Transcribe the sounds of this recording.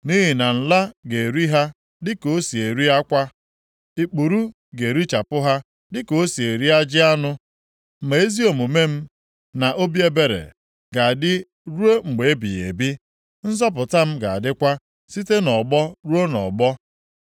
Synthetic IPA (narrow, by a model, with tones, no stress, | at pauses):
ni˦ɦi˨na˨n̩˨la˦ɡe˨ɾi˦ɦa˦ | dɪ˦ko˦si˨e˨ɾi˦ɦa˦kʷa˦ | i˨k͡pu˨ɾu˦ | ɡe˨ɾi˦t͡ʃa˨pʊ˦ɦa˦ | dɪ˦ko˦si˨e˨ɾi˦a˦d͡ʒɪ˦a˦nʊ˦˨ | me˨e˦zi˦o˨mu˨me˦m̩˦ | na˨ʔo˦bi˦e˦be˨ɾḛ˨ | ɡa˨a˨dɪ˦ | ɾu˦o˦ŋ͡m̩˨ɡ͡be˨e˦bḭ˨jḛ˨bi˦ | n̩˦zɔ˦p̬ʊ˨ta˦m̩˦ɡa̰˨a̰˨dɪ˦kʷa˦ | si˦te˦nɔ˨ɡ͡bɔ˦ɾu˦o˦nɔ̰˨ɡ͡bɔ˦